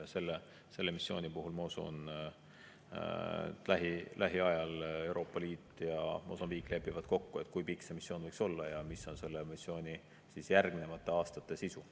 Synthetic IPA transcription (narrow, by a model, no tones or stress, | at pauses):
se̞lːe | se̞lːe̞misːjo̞̰ːnipuɦulmɑosṵn | læɦilʔæɦiɑjɑle̞wɾʔo̞ːpːˑɑliːt̪ːˑjɑmʔo̞̰sɑmbiːkːˑle̞pˑːivɑd̪̥̚ko̞kːue̞t̪ːˑkujpiksemisːjo̞ːnvɤjkso̞lːɑjɑmiso̞nse̞lːemisːjo̞ːnʲi | sisjærɡmine̞mɑt̪ˑːe̞ɑːst̪ɑt̪ːˑe̞sisu